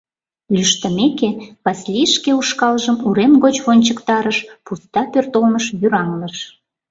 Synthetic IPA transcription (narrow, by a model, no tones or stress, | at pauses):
lʲyʃt̪ə̆mekeβɑsʲlʲijəʃkeuʃkɑlʒəmuɾemɣot͡ɕβonʲt͡ɕəkt̪ɑɾəʃpust̪ɑpørt̪olməʃjyɾɑŋləʃ